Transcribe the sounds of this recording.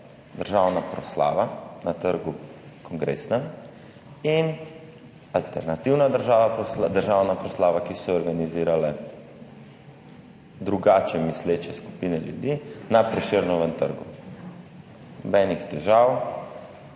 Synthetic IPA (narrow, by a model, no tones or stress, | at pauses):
d̪əɾʒawnapɾɔsla̰ːʋanat̪əɾɡukɔŋɡɾḛsnɛm | in | alt̪ɛɾnat̪iwnad̪əɾʒaːʋapsd̪əɾʒawnapɾɔslaːʋakisɔːɾɡaniziːɾalɛ | d̪ɾuɡaːt͡ʃɛmislet͡ʃɛsku̥pinɛljṵd̪inapɾɛʃeɾnɔʋɛnt̪ə̰ɾɡu | nɔbɛːnixt̪ɛʒaw